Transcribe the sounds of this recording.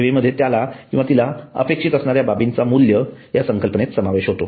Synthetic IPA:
ʋeməd̪ʱjet̪jalakĩʋat̪ilaə̰pekʂit̪əsɳaɾjababint͡samuljəjasəŋkəlpənet̪səmaʋeɕɦot̪o

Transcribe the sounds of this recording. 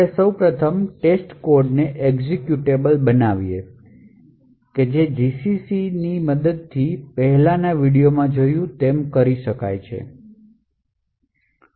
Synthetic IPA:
esəwpɾət̪ʰəmʈesʈkoɾɖneʔeɡzekjuʈebəlbənaʋie | ked͡ʒed͡ʒisisiniməd̪əd̪̚t̪ʰipəɦɛlanaʋiɽijomãd͡ʒojũt̪emkəɾiʃəka̰jt͡ʃʰḛ

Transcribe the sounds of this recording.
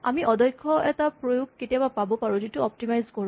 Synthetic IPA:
a̰miʔɔdɔjkʰːɔɛtapɹojuɡ̚ketijabapabɔpaɹuzitʊɔp̚timajzkɔɹ

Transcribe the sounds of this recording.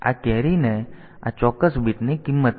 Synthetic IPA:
a̰kɛɾinɛ | a̰t͡ʃɔkəsbit̪nikimːət̪

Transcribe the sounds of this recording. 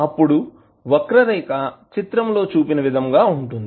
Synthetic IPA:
ɐpːuɽu | ʋɐkɾɐɾɐjkɐt͡ʃit̪ɾɐmlo̞ːt͡ʃuːpinɐʋid̪ʱɐmɡaːuɳʈund̪i

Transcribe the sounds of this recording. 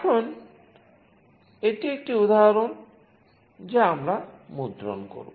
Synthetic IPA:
ɛkʰon | eʈiek̚ʈiud̪aɦɾon | d͡ʑeamɾamud̪ɾo̰nko̰ɾṵ

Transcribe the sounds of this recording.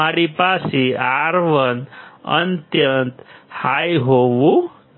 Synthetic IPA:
aɾipasiaɾʋənə̰nt̪jənt̪hajɦoʋu

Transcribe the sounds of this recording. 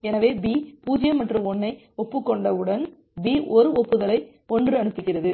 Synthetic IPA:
ɛnɐʋeːbiːpuːd͡ʒɪjɐmɐʈrɯɔnːɐɪ | ɔpːɯkːɔɳɖɐʋɯɽɐn | biːʔɔɾɯɔpːɯðɐlɐɪ | ɔndrɯɐnɯpːɪkːɪrɐðɯ

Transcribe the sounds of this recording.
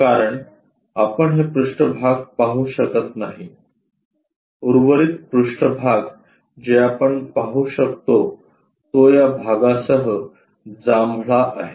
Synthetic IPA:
kaɾəɳ | apəɳɦepɾuʂʈəbʱaɡpaɦuːɕəkət̪naɦi | uɾʋəɾiːt̪pɾuʂʈəbʱaɡ | d͡ʑeapəɳpaɦuːɕəkt̪o | t̪ojabʱaɡasəɦə | d͡zamɭaʔa̰ɦe

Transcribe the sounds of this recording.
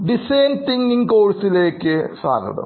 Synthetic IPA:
ɖisɐjnt̪iŋɡiŋkoːɻsile̞ːkːɨsa̰ːɡʱɐ̰ɽɐ̰m

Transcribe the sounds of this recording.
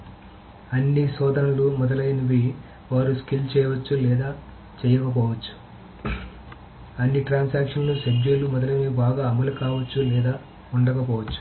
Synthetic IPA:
ɐnːisɔːd̪ɐnɐlumɔd̪ɐlɐjnɐʋi | ʋaːɾuskilt͡ʃɛːjɐʋɐt͡ʃːulɛːd̪aː | t͡ʃɛːjɐkɐp̬ɔːʋɐt͡ʃːu̥ | ɐnːiʈɾaːnsaːkʂɐnluʃebd͡ʒelumɔd̪ɐlɐjniibaːɡaːɐmɐlukaːʋɐt͡ʃːulɛːd̪aː | uɳɖɐkɐp̬ɔːʋɐt͡ʃːu̥

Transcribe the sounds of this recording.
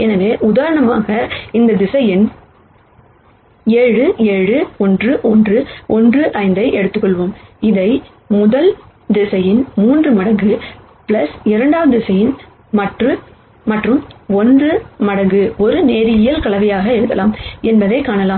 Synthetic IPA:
ɛnɐʋeːʔʊðaːɾɐɳɐma̰ːɣɐɪnd̪ɐd̪ɪsɐjɪn | eːɻɯeːɻɯɔndrɯʔɔndrɯɔndrɯʔɐɪnd̪ɐɪʔɛɽɯt̪ːɯkːɔɭʋoːmɪðɐɪ | mʊðɐl | d̪ɪsɐjɪnmuːndrɯmɐɽɐŋɡɯ | pɪlɐsɪɾɐɳɖaːʋɐðɯdɪsɐjɪn | mɐʈrɯ | mɐʈrɯmɔndrɯmɐɽɐŋɡɯɔɾɯneːɾɪɪjɐlkɐɭɐʋɐjaːɣɐɛɽɯt̪ːɐlaːmɛnbɐðɐɪkaːɳɐlaːm

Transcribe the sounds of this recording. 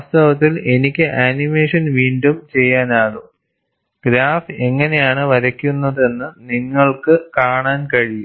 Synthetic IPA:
ast̪ɐʋɐt̪ːile̞nikʲːɨʔaːnime̞ːʂɐnʋiːɳɖumt͡ɕe̞jːaːnaːɭu | ɡ̥ɾaːfe̞ŋːɐne̞jaːɳɨʋɐɾɐkʲːunːɐðe̞nːɨniŋːɐɭkɨkaːɳaːnkɐɻijum

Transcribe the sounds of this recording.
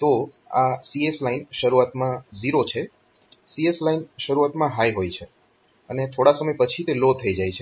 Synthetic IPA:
t̪o | asieslainʃəɾuat̪mãziɾot͡ʃʰe | sieslainʃəɾuat̪mãɦajɦojt͡ʃʰe | ənet̪ʰoɽasəməjpət͡ʃʰit̪elot̪ʰːəid͡ʒajt͡ʃʰe

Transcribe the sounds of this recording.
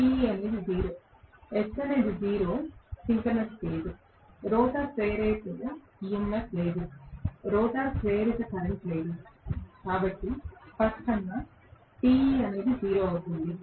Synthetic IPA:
ʈiiɐneːd̪id͡ʒiːɾoː | ɛsɐneːdid͡ʒiːɾoːsiŋkɐɾnesle̞ːd̪u | ɾɔːt̪aːseːɾeːt̪ɐɡɐ | ijemːesle̞ːd̪uɾɔːt̪aːsʋeːɾit̪ɐkɐɾɐɳʈle̞ːd̪ukaːbɐʈːipɐskɐŋːɐ | ʈiːiɐne̞ːd̪id͡ʒiːɾoːɐwut̪und̪i

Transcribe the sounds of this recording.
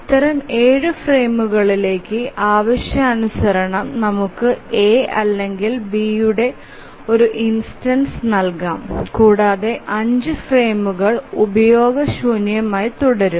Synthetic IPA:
it̪ːɐɾɐme̞ːɻɨfre̞ːmuɣɐɭile̞ːkːɨʔaːʋɐɕjɐːnusɐɾɐɳɐmnɐmukːɨeːɐlːe̞ŋɡilbiːjuɽe̞ | o̞ɾuʔinsʈɐnsnɐlkaːmkuːɽaːðe̞ʔɐɲd͡ʑɨfre̞ːmuɣɐɭubɐjo̞ːɡɐɕuːnjɐmaːjit̪uɽɐɾum

